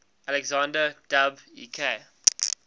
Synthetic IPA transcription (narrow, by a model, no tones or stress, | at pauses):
ʔalɛɡzãndəd̥abṵːkʰe